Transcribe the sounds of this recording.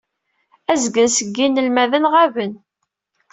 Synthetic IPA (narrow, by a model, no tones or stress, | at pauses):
æzɡənsəɡːinəlmæðənʁævən